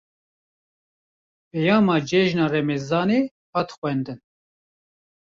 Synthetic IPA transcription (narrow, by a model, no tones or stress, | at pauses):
pɛjɑːmɑːd͡ʒɛʒnɑːrɛmɛzɑːneː | hɑːt̪xʷɛnd̪ɨn